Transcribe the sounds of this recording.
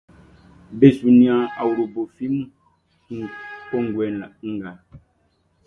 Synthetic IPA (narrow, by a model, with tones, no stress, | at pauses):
be˨su˨nĩ˦ã˦a˨wu˨ɾo˨bo˨fi˦mu˦ | kɔ˦˨ŋ˨ɡwɛ˨˦n˨la˨ŋ̩˦ɡa˨